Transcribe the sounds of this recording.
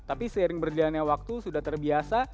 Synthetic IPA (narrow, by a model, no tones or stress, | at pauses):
t̪apisəiɾɪŋbərlianjawak̚t̪usudaht̪ərbiasa